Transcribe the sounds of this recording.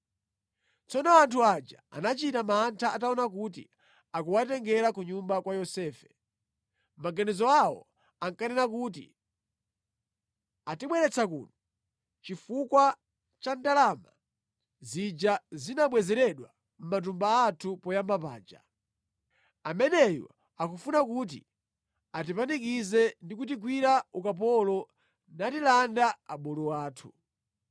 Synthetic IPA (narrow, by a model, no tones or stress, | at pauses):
t͡sɔnɔantʰuad͡ʒa̰a̰nat͡ʃitamaːntʰaataɔnak̬ut̬ḭ | akuwatɛŋɡɛɾakuɲumbakwajɔsɛːfɛ̥ | maɡanɛzɔawɔ̰ | aŋkanɛnak̬ut̬ḭ | atiɓwɛɾɛt͡sʰakṵnɔ | t͡ʃifukwa | t͡ʃandalama | zid͡ʒazinaɓwɛzɛɾɛɗwa | m̩mat̬umbaːtʰupɔjambapa̰ːnd͡ʒa̰ | amɛnɛjɔ̰ | akufunak̬ut̬ḭ | at̬ipanik̬izɛndikut̬iɡwiɾaukap̬ɔlɔ | natilandaaɓɔlɔwaːtʰu̥